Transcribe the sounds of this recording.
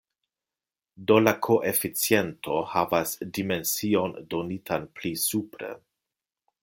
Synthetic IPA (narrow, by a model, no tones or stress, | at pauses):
do̞lakʰoʔefit͡sije̞ntʰo̞havasdime̞nsio̞ndo̞nitʰanplisupɾḛ